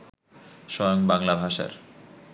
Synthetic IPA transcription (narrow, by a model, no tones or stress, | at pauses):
ʃɔjoŋbaŋlabʱaʃa̰ɾ